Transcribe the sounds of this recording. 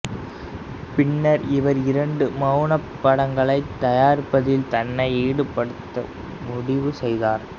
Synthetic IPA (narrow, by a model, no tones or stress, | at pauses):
pɪɳːɐɾɪʋɐɾɪɾɐɳɖɯmɐnɐpːɐɽɐŋɡɐɭɐɪt̪ːɐjaːɾɪpːɐðɪlt̪ɐnːɐɪeːɽɯpːɐɽɯt̪ːɐ̰ | mʊɽɪʋɯsɛjðaːɾ